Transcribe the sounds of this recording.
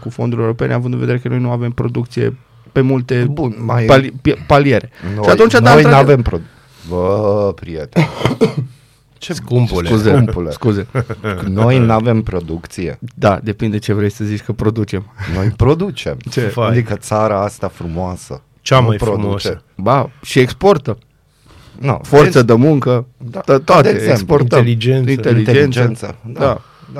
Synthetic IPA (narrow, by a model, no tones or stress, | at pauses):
kufo̞nd̪uɾʲjoewɾo̞pe̞neavɨnd̪ɨnved̪eɾekəno̞jnuave̞mpɾo̞d̪ukt̪sijḛ | pe̞mult̪e̞bunmajlpalieɾe̞oʃat̪unt͡ʃad̪aoj̪navempɾo | vəpɾiet̪e | t͡ʃeskumpsulkuzeumpuleskuzeno̞jnave̞mpɾo̞d̪ukt̪sijḛd̪ad̪epind̪et͡ʃevɾejsəzit͡ʃʲkəpɾod̪ut͡ʃemnojpɾod̪ut͡ʃemt͡ʃeaad̪ikət̪saɾaast̪afɾumoasə̰ | t͡ʃamajpɾod̪t͡ʃeə | baʃieksport̪ə | noforsəd̪əmuŋkəat̪ət̪at̪eeesportt̪əlid͡ʒeninelit̪ed͡ʒend͡ʒent̪səd̪a | d̪a